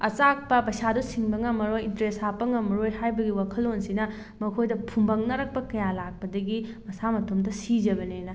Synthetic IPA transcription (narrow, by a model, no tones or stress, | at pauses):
ɐt͡ʃak̚pɐpɐjsadusiŋbɐŋɐmɐɾojintɾesapːɐŋɐmɐɾojhajbɐɡiwakʰɐlːonsinɐ | mɐkʰojdɐpʰumbɐŋnɐɾɐk̚pɐkɐjalak̚pɐdɐɡimɐsamɐtʰomdɐsid͡ʒɐbɐnejnɐ